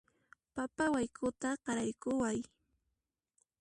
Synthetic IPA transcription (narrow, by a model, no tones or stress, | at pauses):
papawajkʰʊt̪aɢɑɾajkʊwaj